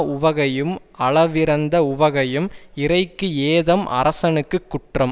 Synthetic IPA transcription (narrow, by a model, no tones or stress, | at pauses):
ʊʋɐɣɐjɯm | ɐɭɐʋɪɾɐnd̪ɐʊʋɐɣɐjɯmɪrɐɪkːɯeːðɐmʔɐ̰ɾɐsɐnɯkːɯkːʊʈrɐm